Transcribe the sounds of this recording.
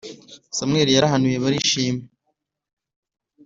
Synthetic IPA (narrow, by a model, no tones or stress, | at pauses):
samŋe̞ːɾijaɾaɦanujeβaɾiʃiːme